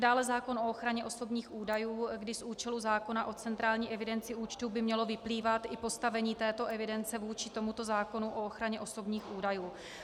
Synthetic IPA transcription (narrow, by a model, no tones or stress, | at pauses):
daːlɛzaːko̞no̞oxɾaɲɛʔo̞so̞bɲiːxʔuːdajuːɡdɪsʔuːt͡ʃɛluzaːko̞naʔo̞t͡sɛnt̪ɾaːlɲiːʔɛvɪdɛnt͡sɪuːt͡ʃt̪uːbɪmɲɛlo̞vɪpliːvat̪ʔɪpo̞st̪avɛɲiːt̪ɛːt̪o̞ʔɛvɪdɛnt͡sɛvuːt͡ʃɪt̪o̞mut̪o̞zaːko̞nuʔooxɾaɲɛʔo̞so̞bɲiːxʔuːdajuː